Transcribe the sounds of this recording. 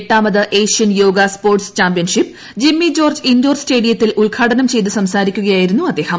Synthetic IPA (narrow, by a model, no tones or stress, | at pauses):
ʈːaːmɐðɨʔeːʂijɐnjo̞ːɡɐspoːrʈst͡ɕaːmpijɐnʂipː | d͡ʑimːid͡ʑo̞ːrd͡ʑindoːrste̞ːɽijɐt̪ːilʔuɭɡʰaːʈɐnɐmt͡ɕe̞jt̪ːɨsɐmsaːɾikʲːuɣɐjaːjiɾunːuɐd̪ːe̞ːhɐm